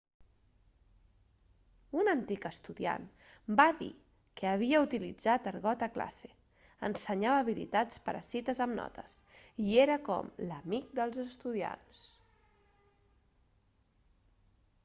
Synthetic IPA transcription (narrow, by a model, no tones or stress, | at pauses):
unənt̪ikəst̪uðia̰n | baðḭ | kəːβ̞iəut̪ilid͡zat̪əɾɣɔt̪əkla̰se | ənsəɲaβəːβilḭt̪at͡spəɾə̰sit̪əzəmnɔ̰t̪ʰə̰sieɾəkɔ̰mləmik̚d̪əlˠzəst̪uðia̰ns